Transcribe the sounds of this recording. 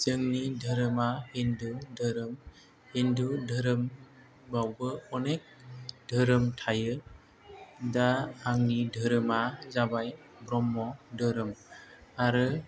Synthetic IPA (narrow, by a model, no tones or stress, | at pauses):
zəŋnidʱəɾəmahindudʱəɾɯm | hendudʱəɾəm | bawbɯɔnek̚dʱəɾəmtʰajɯ | daaŋnidʱəɾɯmazabaj | bɾɔmːɔdʱəɾɯmaɾɯ